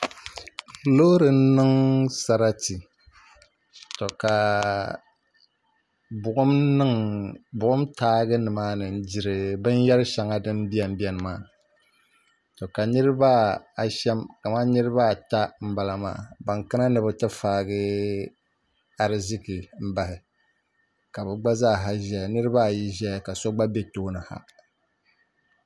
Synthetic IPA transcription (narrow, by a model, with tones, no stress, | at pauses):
loː˦ɾɨ˨n̩˦nɨ˦ŋsa˨ɾa˦ti˨ | tɔ˨ka˨ | bʊ˨ʔʊ˦ɨ˦ŋbʊ˨ʔʊ˦mtʰaː˦ɡɨ˦nɨ˨maː˦nɨ˨n̩˦d͡ʒi˨ɾɨ˨bɨ˦n˦jɛ˦ɾɨ˦ʃa˨ŋa˦dɨ˦m˦bi˦a˨m̩˦bi˦ɛ˨nɨ˨maː˨ | to˨ka˨nɨ˦ɾɨ˦ba˦a˨ʃɛ˦mka˨ma˦nɨ˦ɾɨ˦βa˦˨ta˦m̩˦ba˨la˨ma̰ː˨ba˨ŋkɨ˦na˦nɨ˨bɨ˨tɨ˦faː˦ɡɨ˦ | a˨ɾɪ˦˨zɪ˦ki˨m̩˦ba˨hɪ˨ | ka˨bɨ˨ɡ͡ba˦zaː˦˨ɦa˦ʒɛ˨a˨nɨ˦ɾɨ˦ba˦˨ji˦ʒɛ˦ja˨ka˨sɔ˦ɡ͡ba˦be˦toː˦nɨ˨ha̰˨